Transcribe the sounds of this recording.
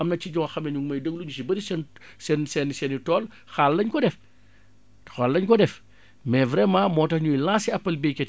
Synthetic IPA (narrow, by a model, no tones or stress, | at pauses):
ɐmnɐciɟɔxɐmnɛɲuŋmɐjdəɡluɲusibɐɾisɛn | sɛnsɛnsɛnitɔːl | xalːɐɲkɔdɛf | xalːɐɲkɔdɛf | mɛvɾɛːmɐmɔːtɐxɲujlaːsiɐpːɐlbekɛ